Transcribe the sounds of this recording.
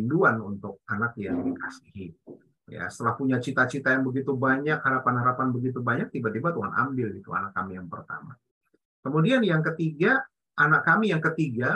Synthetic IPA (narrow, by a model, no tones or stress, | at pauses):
nduanunt̪ʊk̚anakjaŋdikasihi | ja̰sə̥t̪əlahpuɲat͡ʃit̪at͡ʃit̪ajaŋbəɡit̪ubaɲakhaɾapanhaɾapanbəɡit̪̬ubaɲak̚t̪ibat̪ibat̪uɦana̰mbɪlɡit̪ua̰nakːamijaŋpərt̪a̰ma̰ | kəmudianjaŋkət̪iɡa | ʔanakːamijaŋkət̪iɡa